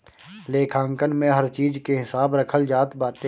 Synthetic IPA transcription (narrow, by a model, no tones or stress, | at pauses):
leːkʰãːŋkənmẽɦɐɾt͡ʃiːd͡ʒkeɦɪsaːbɾɐkʰəld͡ʒaːt̪baːt̪e